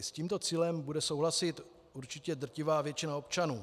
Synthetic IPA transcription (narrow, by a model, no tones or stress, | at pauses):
sciːmt̪o̞t͡siːlɛmbudɛsowɦlasɪt̪ | ʔuɾt͡ʃɪcɛd̪r̩cɪvaːvjɛt͡ʃɪnao̞pt͡ʃanuː